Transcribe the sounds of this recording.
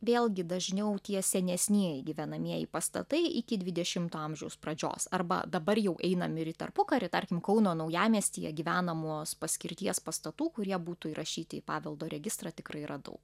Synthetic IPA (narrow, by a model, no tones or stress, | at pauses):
ʋʲeːlʲˠɡʲɪd̪ɐʒʲnʲɛʊt̪ʲiɛsʲɛnʲɛsʲnʲiɛɪɡʲiʋʲɛnɐmʲiɛjɪ̰pɐst̪ɐ̰t̪ɐɪɪkʲɪdʲʋʲɪd̪ʲɛʃʲɪmt̪uːɐmʲʒʲɛʊsprɐd͡ʒʲo̰ːsɐrbɐ̰d̪ɐbɐɾjɛʊʔɛɪnɐmʲɪɾʲɪt̪ɐ̰rpʊkɐɾʲɪt̪ɐɾʲkʲɪmkɒʊnoːnɐʊjæːmʲiɛsʲt̪ʲḭːjɛ̰ɡʲiʋʲæːnɐmuɔspɐsʲkʲɪɾʲt̪ʲiɛspɐst̪ɐt̪uːkʊɾʲiɛbuːt̪uiɾʔɐʃʲiːt̪ʲɪpɑːʋʲɛlˠd̪oːɾʲɛɡʲɪst̪ɾɑːt̪ʲɪkɾrɐɪɾɐd̪ɐ̰ʊk